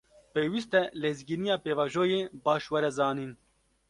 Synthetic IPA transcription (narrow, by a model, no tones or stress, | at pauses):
peːwist̪ɛlezɡiːnijɑːpeːvɑːʒoːjeːbɑːʃwɛɾɛzɑːniːn